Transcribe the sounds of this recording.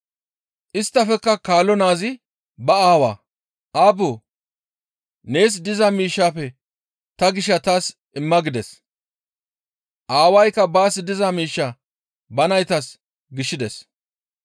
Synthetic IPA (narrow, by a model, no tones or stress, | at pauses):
ʔɪst̪ːɐfɛkːɐkaːlːɔnaːzɪ | bɐaːwa̰ː | ʔaːboː | ne̞ːs̬d̪ɪzɐmiːʃːaːpɛ | t̪ɐɡɪʃɐt̪aːs | ʔɪmːɐɡɪd̪ɛs | ʔaːwɐjkːɐbaːsɪd̪ɪzɐmiːʃːa | bɐnɐjt̪ɐs | ɡɪʃːɪd̪ɛs